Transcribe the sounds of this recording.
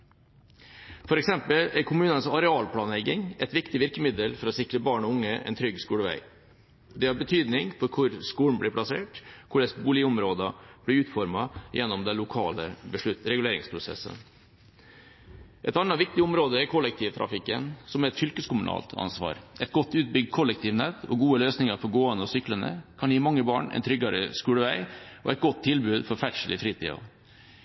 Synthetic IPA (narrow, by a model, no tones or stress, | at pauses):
fɔɾɛksɛmpəlæɾkʰʊmʉːnənsɑɾɛɑːlpʰlɑːnlɛɡɪŋɛt̪ʋɪkt̪ɪʋɪɾkəmɪd̪əlfɔɾɔsɪkɾəbɑːɳɔʊŋːəʔɛ̰nt̪ʰɾʏɡskuːləʋæ̰ɪ | d̪ɛhɑɾbət̪ʰyːd̪nɪŋfɔɾkʰʊɾskuːn̩blɪːɾpʰlɑsḛːʈkʰʊɖɛsbuːlɪʊmɾoːd̪əb̥lɪʉːt̪fɔɾmɑjʔɛnːɔmd̪ɛnlʊkʰɑ̰ːlə̰bəʂɭʉt̪ɾɛɡʉleːɾɪ̰ŋspʰɾʊsɛ̰sːə̰n | ʔɛt̪ɑnːɑʋɪkt̪ɪɔmɾoːd̪əɛɾkʰɔlːɛk̚t̪ʰiːʋt̪ʰɾɑ̰fɪkːənsɔmæɾɛt̪fʏlkəskʊmʉnɑ̰ːlt̪ʰɑ̰nsʋɑ̰ːɾʔɛt̪̚ɡɔt̪ːʉːt̪̚bʏɡ̚d̪̚kʰɔlːɛk̚t̪ʰiːʋnɛt̪ːɔɡuːəløːsnɪŋəɾfɔɾɡoːənəɔsʏklənə̰kʰɑnjiːmɑŋːəbɑːɳɛ̰ɪnt̪ʰɾʏɡɑɾəskuːləʋæɪʔɔ̰ʔɛt̪̚ɡɔt̪ʰːɪlbʉːd̪fɔɾfæʈʂəlɪfɾiːt̪ʰḭːɑ̰